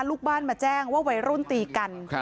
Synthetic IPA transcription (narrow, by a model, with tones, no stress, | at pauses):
luː˥˩k̚baː˥˩˨nmaː˧˩t͡ɕɛː˥˩ŋwaː˥˩wa˨˦jɾu˥˩˨nt̪iː˨˩ka˧n